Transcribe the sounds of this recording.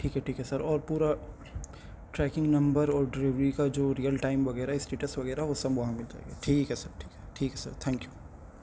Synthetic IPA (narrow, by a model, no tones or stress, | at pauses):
ʈʰiːkɦɛʈʰiːkɦɛsɐɾɔːɾpuːɾa | ʈɾɛːkɪ̃ŋɡnɐ̃mbəɾɔːɾɖɾɪʋɾikad͡ʒoːɾiːjəlʈaːɪmʋɐɡɛːɾaɦɪsʈeːʈəsʋɐɡɛːɾaɦɛʋoːsɐbʋɐɦãmɪlt̪a̰ḛɡeʈʰiːkɦɛsəɾʈʰiːkɦɛʈʰiːkɦɛsə̰ɾt̪ʰɛ̃ːŋkjuː